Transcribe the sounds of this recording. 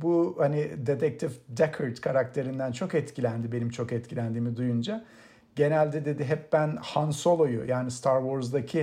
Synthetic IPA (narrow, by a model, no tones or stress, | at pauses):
buhanid̪et̪ʰɛk̚t̪ʰifd̪ɛkʰɯɾt̪kʰaɾak̚t̪ʰe̞ɾind̪ænt͡ʃʰo̞kɛt̪cʰilʲænd̪ibe̞nimt͡ʃʰo̞kɛt̪cʰilʲænd̪iːmid̪ujund͡ʒa | ɟe̞nælʲd̪ɛd̪e̞d̪iɦɛp̚bænhanso̞lˠojṵjʔaːnist̪ʰaɾvoɾzd̪acʰi